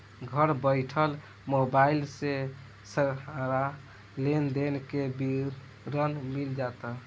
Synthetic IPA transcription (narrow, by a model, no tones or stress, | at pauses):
ɡʱəɾbəɪʈʰəl | mobailse | səɾaɾa | lend̪enkebi | ɾənmild͡ʒat̪ə